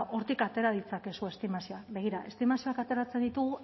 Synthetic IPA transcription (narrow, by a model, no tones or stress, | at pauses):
ʔo̞ɾt̪ikat̪e̞ɾað̞it͡sake̞sue̞st̪imasioaβe̞ɣ̞iɾaʔe̞st̪imasio̞akat̪e̞ɾat͡se̞nd̪it̪uɣu